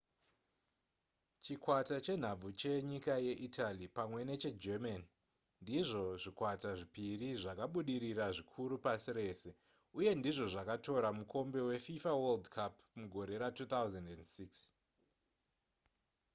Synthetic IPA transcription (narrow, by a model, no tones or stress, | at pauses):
t͡ʃikwatat͡ʃe̞n̤ab͡vut͡ʃe̞ɲikaje̞ʔitalipamwe̞ne̞t͡ʃe̞d͡ʒemani | ndiʐo̞ʐikwataʐipiriʐakaɓuɗiɾiraʐikʰuɾupasiɾe̞ːse̞ | uje̞ndiʐo̞ʐakato̞ɾamukʰo̞mbe̞we̞fifaweldkʰap | muɡʱo̞ɾe̞ɾatuːt̪awzendendsiks